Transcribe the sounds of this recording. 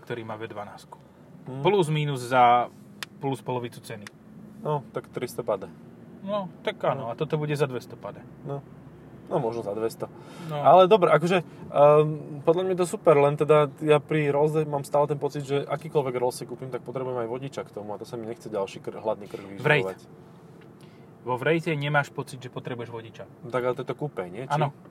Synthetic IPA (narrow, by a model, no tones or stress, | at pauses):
kt̪ɔɾiːmaːʋɛd̪ʋanaːsku̥ | m̩pluzmiːnuzza | pluspɔlɔʋit͡sut͡sɛni | nɔt̪akt̪ɾist̪ɔpad̪ɛ | nɔt̪akaːnɔat̪ɔt̪ɔbuɟɛzad̪ʋɛst̪ɔpad̪ɛ | nɔ | nɔmɔʒnɔzad̪ʋɛst̪ɔ | alɛd̪ɔbɾɛʔakɔʒɛ | pɔd̪ʎamɲajɛt̪ɔsupɛɾlɛnt̪ɛd̪ajapɾiɾɔlzɛmaːmst̪aːlɛt̪ɛnpɔt͡sid̪ʒɛʔakiːkɔlʋɛɡɾɔlsɛkuːpimt̪ak̚pɔt̪ɾɛbujɛmajʋɔɟit͡ʃakt̪ɔmuat̪ɔsamiɲɛxt͡sɛɟalʃiːkrɦlad̪niːkr̩ɡʋivɾɛjʋac | ʋɔʋɾɛjcɛɲɛmaːʃpɔt͡sid̪ʒɛpɔt̪ɾɛbujɛʒʋɔɟit͡ʃa | t̪aɡat̪ɛt̪ɔkuːpɛɲɪɛʔaːnɔ